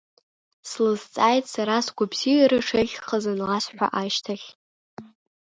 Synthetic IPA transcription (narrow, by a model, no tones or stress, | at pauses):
slɨzt͡sʼajtʼsaɾasɡʷabzijaɾɨʂeʒʲχazanlasħʷᶣa̰ʔaʃtʰaχʲ